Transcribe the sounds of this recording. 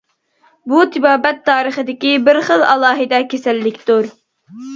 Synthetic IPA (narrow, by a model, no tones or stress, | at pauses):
but̪ʰɪbɑːbɛt̪ʰːɑːɾəχəd̪ɪkʲibɪɾχəlˠɑlˠɑːɦɨd̪ɑkʲesɛlːɪkʲt̪uɾ